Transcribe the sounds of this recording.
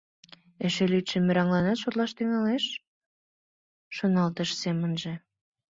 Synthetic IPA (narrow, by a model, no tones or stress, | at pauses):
eʃelyt̪ʃĕmːøɾɑŋlɑnɑt̪ʃot̪lɑʃt̪yŋɑleʃ | ʃonɑlt̪əʃsemənʒĕ